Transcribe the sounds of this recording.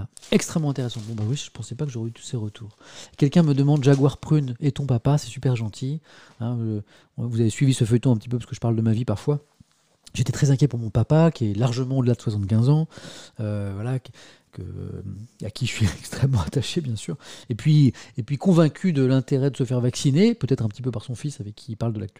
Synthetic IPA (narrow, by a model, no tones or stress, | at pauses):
aɛkst̪χɛmːɑ̃ɛ̃t̪eʁɛsɑ̃bɔ̃bawiʒə̥pɑ̃sɛpakəʒoʁɛyt̪u̥seʁət̪ʰuːʁkʲɛlkʲɛ̃məd̪əmɑ̃d̪ʒaɡwaʁpχynet̪ɔ̃papasɛ̥sypɛʁʒɑ̃t̪ʰi | ɛ̃ | vuzavesɥivisəfœjt̪ɔ̃ɛ̃pət̪i̥p̬øpḁskəʒəpaʁld̪əmavipaʁfwa | ʒet̪et̪χɛzɛ̃kʲjɛpuʁmɔ̃papakʲiɛlaʁʒəmɑ̃od̪əlad̪əswasɑ̃t̪kʲɛ̃zɑ̃øvwala | kə̰a̰kʲʰiʒəʃɥiɛkst̪χɛmːɑ̃at̪aʃebjɛ̃syːʁepɥiepɥikɔ̃vɛ̃kʲyd̪əlɛ̃t̪eʁɛd̪əsəfɛʁvaksinepøt̪ɛt̪χɛ̃pət̪i̥pøpaʁsɔ̃fisavɛkʰːipaʁld̪əlak̚t̪y